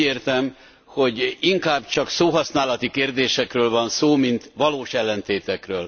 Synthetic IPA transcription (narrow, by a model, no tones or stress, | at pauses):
eːrt̪ɛm | ho̞ɟiŋkaːbt͡ʃɒksoːɦɒsnaːlɒt̪ikeːrd̪eːʃɛkrøːlvɒnsoːmint̪ʋɒloːʃɛlːɛnt̪eːt̪ɛkrøːl